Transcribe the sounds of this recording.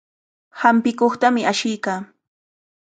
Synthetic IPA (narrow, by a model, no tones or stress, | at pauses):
hampɪkoχt̪amɪaʃɪjkaː